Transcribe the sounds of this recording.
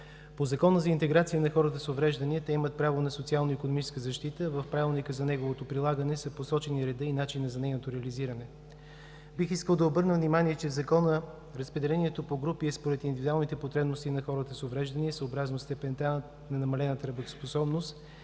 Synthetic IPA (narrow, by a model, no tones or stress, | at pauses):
pozɐkɔnəzɐint̪ɛɡɾat̪siənɐxɔɾət̪əsovɾɛʒd̪ɐniɛt̪ɛimət̪̚pɾavonɐsot̪sialˠnoikonomit͡ʃɛ̥skəzɐʃt̪it̪əvəfpɾavilˠnikəzɐnɛɡovot̪opɾilˠaɡənɛsɐposɔt͡ʃɛniɾɛd̪ɤinat͡ʃinːɐzɐnɛjnot̪oɾɛəliziɾɐnɛ | bixiskəlˠd̪ɐobɤɾnəvnimaniɛt͡ʃɛvzɐkɔnə | ɾɐspɾɛd̪ɛlɛniɛt̪opoɡɾupiɛspoɾɛt̪ind̪ivid̪ualˠnit̪ɛpot̪ɾɛbnost̪inɐxɔɾət̪əsovɾɛʒd̪ɐniɛsəobɾaznost̪ɛpɛnt̪a | nɐnɐmɐlɛnət̪əɾɐbot̪o̥sposɔbnost̪